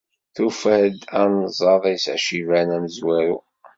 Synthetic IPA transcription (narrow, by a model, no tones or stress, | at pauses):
θufæd̪ænzˤɑðˤijsʕʃivænæməzwæɾu